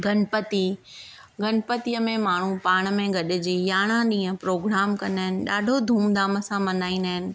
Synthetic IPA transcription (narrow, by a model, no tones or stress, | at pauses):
ɡɐnpət̪i | ɡɐnpət̪ijəmẽmaːɳ̤upaːɽ̃ə̆mẽɡɐɗɪ̆d͡ʑiːjaːɽ̃ãɗĩːə̃pɾoːɡɾaːmkɐnəɦɪnɪ̆ɗaːɖʱod̪ʱũːmd̪aːməsãmɐnaːĩnd̪aɦɪnɪ̆